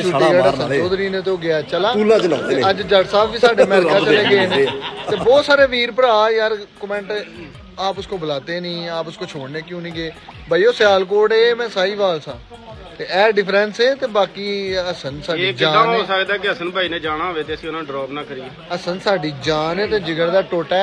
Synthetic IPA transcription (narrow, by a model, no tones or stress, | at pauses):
t͡ʃʰʊʈːiːaːəsənsoːd̪ɾiːnẽːt̪eoːɡɪaːt͡ʃəlaːuːlãːt͡ʃlat̪eəd͡ʒd͡ʒəɖsaːbʋiːsaːɖeːəmɛːɾɪkaːt͡ʃəleːɡeːnẽːt̪eːbɔːt̪saːɾeːʋiːɾpəɾaːjaːɾkəmɛ̃ːɳʈ | aːpʊskoːbəlaːt̪eːnĩːaːpʊskoːt͡ʃʰoːɽneːkjũːnĩːɡeːbaːijoːsjaːlkoːʈeːmɛ̃ːsaːiːʋaːlsãː | t̪eːɛːɖɪpʰɾɛ̃nseːt̪eːbaːkiːəsənsaːɖiːd͡ʒãːãosəkd̪aːkeəsənbaːiːnẽːd͡ʒaːɽ̃aːɦoːʋeːt̪eːəsĩːʊnãːɖɾaːpnaːkəɾiːe | əsənsaːɖiːd͡ʒaːnẽːt̪eːd͡ʒɪɡəɽd̪aːʈoːʈɛː